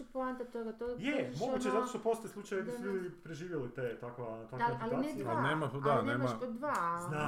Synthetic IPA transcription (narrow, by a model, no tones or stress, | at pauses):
uplˠant̪at̪oɡat̪oɡjemo̞ɡuːt͡ɕezat̪oʃt̪opo̞st̪ojeslˠut͡ʃajkisujud̪ipɾeʒiːʋjelit̪et̪akʋat̪akaepikaːniialneːmad̪aneːmmapod̪ʋazna